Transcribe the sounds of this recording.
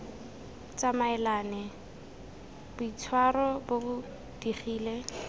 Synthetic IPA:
t͡sʼamaɛlaːnɛ | b̥ʊit͡sʰwarɔbobʊ | d̥iχiːle

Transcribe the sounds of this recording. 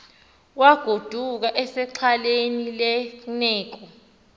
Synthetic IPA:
waɡ̥ʱod̥ʱuk̬aʔɛsɛǀʰalenilɛnɛːk̬ɔ

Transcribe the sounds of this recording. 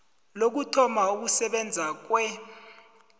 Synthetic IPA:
lok̬utʰɔmauk̬usɛɓɛnd͡zʱak̬wɛ

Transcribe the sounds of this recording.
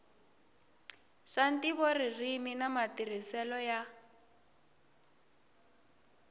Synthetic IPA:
ʂantiβɔririminamatir̤isɛlɔja

